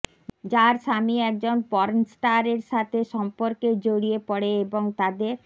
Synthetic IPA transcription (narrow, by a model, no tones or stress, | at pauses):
d͡ʑaɾʃamiɛk̚d͡ʑonpɔɾnsʈaɾeɾʃat̪ʰeʃɔmpoɾked͡ʑoɽiepɔɽeeboŋt̪ad̪eɾ